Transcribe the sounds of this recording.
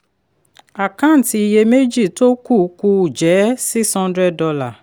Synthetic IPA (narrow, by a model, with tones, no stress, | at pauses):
a˨kã˦n̩˨ti˧i˧˨je˧me˦d͡ʒi˦˨to˦ku˦˨ku˧u˨d͡ʒɛ˨˦si˦kshɔ̃˦ndɾɛ˦˨ɔ˧la˦˨